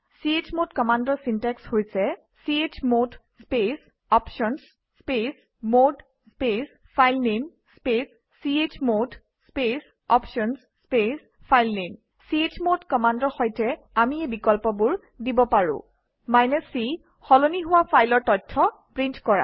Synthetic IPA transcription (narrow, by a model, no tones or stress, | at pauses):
siet͡ʃmotkɔmandɔɹsintɛkshojsɛ | siet͡ʃmod | spes | ɔpʃɔns | spes | mod | spes | pʰajlnem | spesː | iet͡ʃmod | spes | ɔpʃɔns | spes | pʰajlnem | siet͡ʃmotkɔmandɔɹxɔjtɛ | amiebikɔlpɔbʊɹ | dibɔpaɹʊ̰̃ | majnɛsi | xɔloniɦʊwapʰajlɔɹtɔtʰːɔpɹintkɔɹa̰